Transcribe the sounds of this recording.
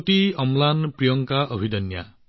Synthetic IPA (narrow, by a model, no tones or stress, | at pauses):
t̪iɔmlanpɾijɔŋkaʔɔbʱid̪ɔnja̰